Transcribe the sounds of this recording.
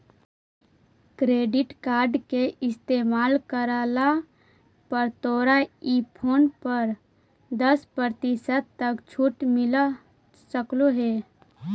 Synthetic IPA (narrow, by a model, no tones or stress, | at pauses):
kɾeːɖɪʈkaːɾɖkeʔɪst̪eːmaːlkəɾaːla | pəɾt̪oːɾaiːpʰoːnpəɾ | d̪əspɾəɾt̪isət̪t̪ːəkt͡ʃʰuʈmɪla | səkloɦeː